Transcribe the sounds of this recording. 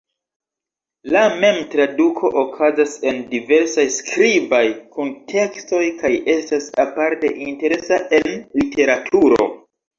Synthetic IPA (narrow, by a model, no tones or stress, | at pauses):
lame̞mtɾadukʰo̞ʔokʰazase̞ndive̞ɾsajskɾibajkʰuntʰe̞ksto̞jkaje̞stasapaɾte̞̰ʔinte̞ɾe̞saʔe̞nlite̞ɾatʰuɾo̰